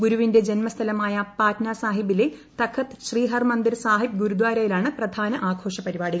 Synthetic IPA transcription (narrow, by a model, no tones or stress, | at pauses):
ɡuɾuʋinde̞d͡ʑenmɐst̪ʰɐlɐmaːjɐpaːtnaːsaːɦibile | t̪ɐkʰɐt̪ɕriːɦɐrmɐnd̪iɾsaːɦib̚ɡuɾud̪waːɾɐjilaːɳɨprɐd̪ʱaːnɐʔaːkʰo̞ːʂɐpɐɾibaːɽiɣɐ